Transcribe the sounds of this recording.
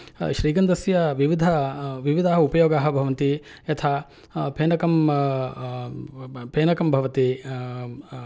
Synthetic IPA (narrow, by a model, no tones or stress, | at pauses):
ʃɾiːɡɐnd̪ɐsjɐʋiʋid̪ʱɐʋiʋid̪ʱaːɦɐupɐjoːɡaːɦɐ̆bʱɐʋɐnt̪i | ɐt̪ʰa | pʰeːnɐkɐm | pʰeːnɐkɐmbʱɐʋɐt̪i